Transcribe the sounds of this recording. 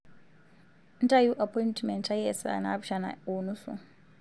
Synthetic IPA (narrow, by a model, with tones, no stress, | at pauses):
ntʼa˦ju˦ʔa˨pʰɔintmɛ˨ntʰʼa˦jɛsa̰˨na̰bʃana̰˨o˨nu˦sṵ˨